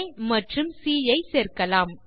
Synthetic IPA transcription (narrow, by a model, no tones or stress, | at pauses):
jmɐʈrɯmsiːjɐɪseːɾkɐlaːm